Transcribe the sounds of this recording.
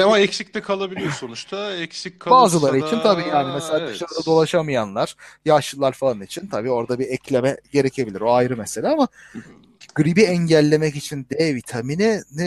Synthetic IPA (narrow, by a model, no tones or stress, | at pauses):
amaɛcsic̚t̪ɛkʰalˠabilʲijoso̞nut͡ʃt̪ʰaɛcsickʰːabaːzɯlˠaɾɯit͡ʃʰint̪ʰabiːjaːnimɛselʲaːd̪ɯʃaɾɯd̪ad̪o̞lˠaʃamɯjanlˠaɾ̥jaʃɯlˠaɾfalˠanit͡ʃʰint̪ʰabiːo̞ɾd̪abiɛclʲemɛɟe̞ɾecʰe̞bilʲiɾo̞ajɾɯmɛse̞lʲaːama | ɡ̥ɯɾibiɛɲɟælʲːe̞mɛcit͡ʃʰind̪ɛvit̪ʰaminɪnɛ